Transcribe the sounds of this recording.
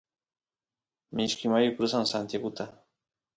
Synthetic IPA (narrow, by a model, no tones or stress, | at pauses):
mɪʃkɪmajʊkɾʊsaŋsant̪jaɡʊt̪a